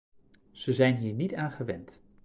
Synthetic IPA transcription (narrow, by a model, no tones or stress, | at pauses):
z̥əzɛjnɦiːɹnitaːnχəʋɛnt